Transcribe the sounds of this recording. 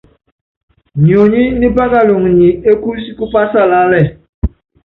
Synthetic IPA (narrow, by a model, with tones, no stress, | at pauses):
ɲ˨o˨ɲi˦ni˦ba˦ɡa˦˨lo˨ŋ˨ɲi˨e˦ku˦si˦ku˦pa˦sa˦˨la˦lɛ˦˨